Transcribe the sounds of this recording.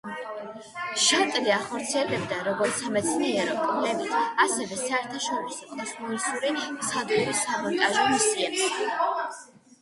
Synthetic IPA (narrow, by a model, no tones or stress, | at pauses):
ʃat̪ʼliaχɔɾt̪sʰiɛlɛb̚d̪aɾɔɡɔɾt̪sʰamɛt̪sʰniɛɾɔmkʼmlɛbit̪ʰasɛvɛsaɛɾt̪ʰaʃɔɾisɔɛsmɔnisuɾisad̪uɾisamɔnt̪ʼaʒɔmisiɛ